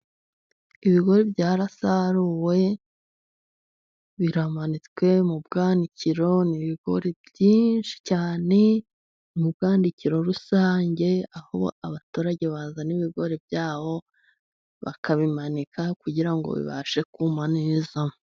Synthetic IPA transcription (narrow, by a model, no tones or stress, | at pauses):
iβiɡo̞ɾebɟaːɾasaɾuwe̞ | βiɾamanit͡skwe̞mubɡaːndiciɾo̞niβiɡ̥o̞̰ɾebɟiːnʃi̥caːne̞ | mubɡaːndiciɾo̞ɾusaːɲɟe̞aho̰aβatuːɾaɟe̞βaːzaniβiɡo̞ɾe̞bjaːβo̞ | βa̰kaβimanikʰakuɟiɾaŋɡo̰βḭβa̰ʃe̞kumaneːza